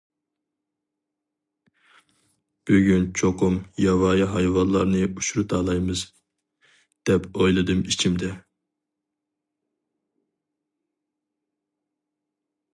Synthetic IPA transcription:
b̥yɡʲynt͡ʃʰoqʰumjɑvɑːjiɦɑjwɑllˠɑɾnɨuʃuɾut̪ʰɑːlˠɑjmɨz | d̪̥ɛpojlˠɨd̪ɨmit͡ʃʰimd̪ɛ

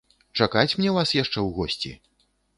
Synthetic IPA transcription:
t͡ʂakat͡sʲmnʲɛwvasjaʂt͡ʂɛwɣɔsʲt͡sʲḭ

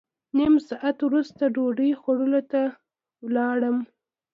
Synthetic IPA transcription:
nimsɑʔat̪wɾust̪aɖoɖəjxaɽəlot̪a | wlɑɽəm

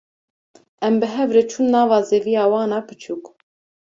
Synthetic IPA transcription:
ɛmbɨɦɛvɾeːt͡ʃʰunnɑːvɑːzeːvijɑːwɑːnɑːpʰɨt͡ʃʰuk

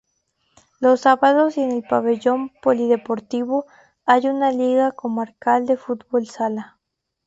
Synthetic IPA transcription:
losːaβaðosenelpaβeʝompoliðepoɾt̪iβo | ajunaliɣakomaɾkald̪efut̪bolsala

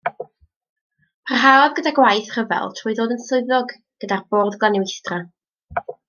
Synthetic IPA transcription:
pʰarɦaɔðɡədaɡwajθr̥əvɛ̰lˠtʰruːjðoːdənsʊɨðɔɡ | ɡ̥ədarboːðɡlˠanɪwɪstra

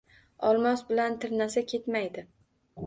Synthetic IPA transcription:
ɒlˠmɒsbɪlant̪ʰɪɾnasakʲʰe̞t̪majd̪ɪ

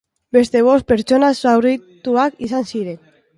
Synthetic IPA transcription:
be̞st̪e̞β̞o̞s̚pe̞ɾt͡ʃo̞nasawrit̪uakisansiɾe̞n

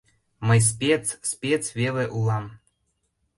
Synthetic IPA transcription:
məjs̬pʲet͡sspʲet͡sβeleʔulˠɑm

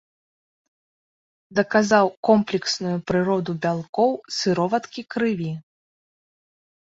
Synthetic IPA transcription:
d̪ɐkazawkɔmplʲɛksnujupɾɨɾɔd̪ubʲalˠkɔwsɨɾɔvɐt̪kʲikɾɨvʲi

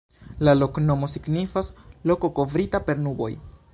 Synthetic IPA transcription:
lalo̞kno̞mo̞siɡnifaslo̞ko̞ko̞vɾitape̞ɾnubo̞̰j

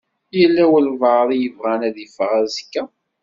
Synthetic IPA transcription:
jəlːæwəlvəðˤijəvʁænæðiəfʁæzəkːæ

